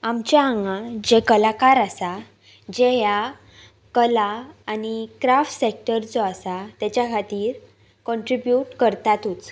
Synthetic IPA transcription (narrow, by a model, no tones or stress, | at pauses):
amt͡ɕjaaŋɡãd͡ʑekəlakaɾasa | d͡ʑeja | kəlaːnikɾafʈsek̚ʈəɾd͡zɔasat̪jat͡ɕjakʰat̪iːɾ | kɔ̃ɳʈɾibjuʈkəɾt̪at̪ut͡s